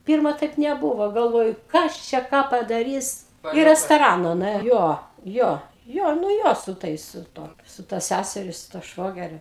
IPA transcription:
ˈpʲɪrmɐ ˈtɐɪp nʲɛˈbuːʋoː ɡɐlˠˈʋoːjʊ ˈkɐs t͡ʃʲɛ ˈkɑː pɐdɐˈrʲiːs iː rʲɛstoːˈrɑːnɐ nʊˈeː ˈjoː ˈjoː ˈjoː nʊ ˈjoː sʊ ˈtɐɪs sʊ ˈtuɔ sʊ ˈtɐ ˈsʲæsʲɛrʲɪ sʊ tuɔ ˈʃʋoːɡʲɛrʲʊ

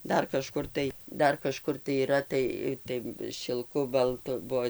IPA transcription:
ˈdɐr kɐˈʃkʊr tɐɪ ˈdɐr kɐˈʃkʊr tɐɪ iːˈrɐ ˈtɐɪ ˈtɐɪ ʃʲɪlˠˈkʊ bɐlˠˈtʊ ˈbuɔ

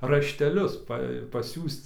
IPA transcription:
rɐʃʲtʲɛˈlʲʊs ˈpɐ pɐˈsʲuːst͡s

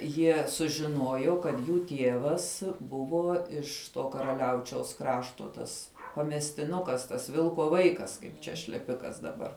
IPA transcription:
ˈjiɛ sʊʒʲɪˈnuɔjoː kɐt ˈjuː ˈtʲiɛʋɐs ˈbʊʋoː ɪʃ ˈtoː kɐrɐˈlʲɛʊt͡ʃʲɛʊs ˈkrɑːʃtoː tɐs pɐmʲɛsʲtʲɪˈnʊkɐs tɐs ˈʋʲɪlˠkoː ˈʋɐɪkɐs ˈkɐɪp t͡ʃʲɛ ʃʲlʲɛˈpʲɪkɐs dɐˈbɐr

